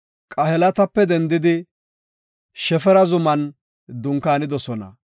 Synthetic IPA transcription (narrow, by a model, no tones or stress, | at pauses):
kʼɐhɛlɐt̪ɐpːɛd̪ɛnd̪ɪd̪ɪ | ʃɛfɛɾɐzʊmɐn | d̪ʊŋkaːnɪd̪ɔsɔnɐ̰